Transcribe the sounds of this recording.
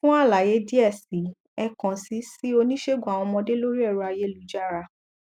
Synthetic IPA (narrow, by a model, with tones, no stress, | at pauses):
fũ˦a˦˨la˨je˨˦di˦ɛ˦˨si˨˦ | ɛ˧kã˨si˨˦si˦o˧nĩ˦ʃe˦˨ɡu˨a˨w̃ɔ̃˧mɔ̃˧de˦lo˦ɾi˦ɛ˦˨ɾu˧a˧je˦lu˨˦˨d͡ʒa˦ɾa˧